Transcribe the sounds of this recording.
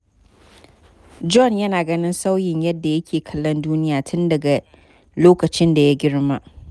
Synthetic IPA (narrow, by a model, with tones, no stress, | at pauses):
d͡ʒɔ˦˨njɐ˦naː˨ɡɐ˦nɪ˦nsa˦wjɪ˨ɲjɐ˦dːa˨jɐ˦kʲʰeː˨kʰɐ˦lːɐ˦nduː˦nɪ˦jaː˨tʰʊ˦ndɐ˨ɡa˨ | loː˦kɐ˨t͡ʃɪ˦nda˨ja˦ɡʲɪ˦ɽmaː˦